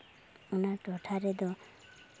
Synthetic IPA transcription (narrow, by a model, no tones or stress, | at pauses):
unaʈɔʈʰaɾɛd̪ɔ